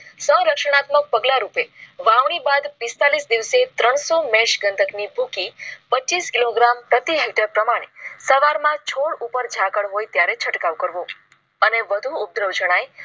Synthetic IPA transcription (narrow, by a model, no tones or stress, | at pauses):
sə̃ɾəkʃəɽ̃at̪mək̚pəɡlaɾupeʋaʋɳ̃ibad̪pist̪alisd̪iʋset̪ɾəɳ̃somɛ̃ʃɡənt̪ʰəknibʱukipət͡ʃt͡ʃiskiloɡɾampɾət̪iɦeʈəɾpɾəmaɽ̃esəʋaɾmãt͡ʃʰoɽupəɾd͡ʒʱakəɽɦojt̪jaɾet͡ʃʰəʈkaʋkəɾʋo | əneʋəd̪ʱuub̚d̪ɾəʋd͡ʒəɽ̃aj